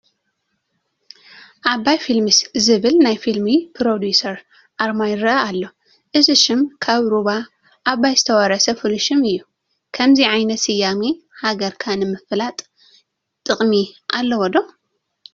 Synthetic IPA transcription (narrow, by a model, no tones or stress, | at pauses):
ʔaβajfilmɨszɨβɨlnajfilmipʰɾod̪jusɐɾ | ʔaɾmajɾɐʔalːo̞ | ʔɨzɨʃɪmkʰaβɾuβa | ʔːβːajzɨt̪ʰɐwɐɾɐsɐfuluʃɪmɨjːu | kʰɐmziʕajnɐt̪sɨjːami | haɡɐɾkʰanɨmɨflat̪ʼ | t̪ʼɨχʼmiʔalːɐwɔd̪o